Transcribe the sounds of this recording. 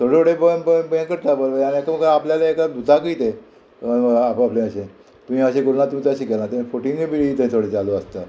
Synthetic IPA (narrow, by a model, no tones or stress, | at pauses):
t̪ʰoɽeoɽebəbəbẽkəɾt̪abəlʋəañiekaməɡapljalaekad̪ut̪akəit̪e | əapaplẽəɕẽ | t̪umĩːəɕẽkuɾunat̪umiːt̪əɕekelãt̪ẽifoʈiŋibiɽit̪əĩt̪ʰoɽet͡saloəst̪a